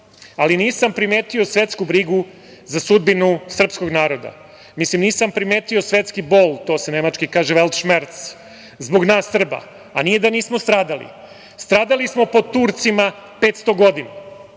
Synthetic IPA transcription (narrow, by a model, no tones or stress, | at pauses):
aliniːsampɾimeːt̪io̞sʋe̞t̪skubɾiɡu | zasud̪̚binusr̩psko̞ɡnaːɾo̞d̪a̰ | mislimniːsampɾimeːt̪io̞sʋe̞t̪skibo̞ːlˠt̪o̞ːsene̞mat͡ʃkikaːʒeʋelˠt̪ʃmeɾt̪s | zbo̞ɡnaːsːr̩ba̰ | a̰nije̞d̪aniːsmost̪ɾaːd̪alḭ | st̪ɾaːd̪alismopo̞t̪uːɾt̪simapet̪st̪o̞ɡo̞d̪ina